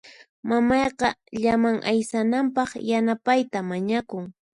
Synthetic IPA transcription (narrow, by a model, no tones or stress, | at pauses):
mamɑjqɑʎamaŋʔa̰jsanampɑχjanapajt̪amaɲakʊŋ